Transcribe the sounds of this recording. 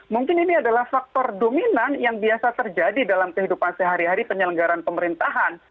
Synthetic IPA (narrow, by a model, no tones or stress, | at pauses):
muŋkɪniniadalahfak̚t̪ɔrdominanjaŋbiasat̪ərd͡ʒadidalamkəɦidupansəɦaɾiɦaɾipəɲələŋɡaɾanpəməɾint̪aɦan